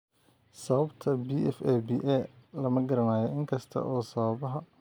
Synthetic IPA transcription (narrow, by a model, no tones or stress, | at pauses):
sɐβɐbt̪ʰɐbiʔɛfɛbiːʔɛːlɐmɐɡɐɾɐnaːjɐɪŋkʰɐst̪ʰɐ̰ʔɔːsɐβɐbɐɦɐ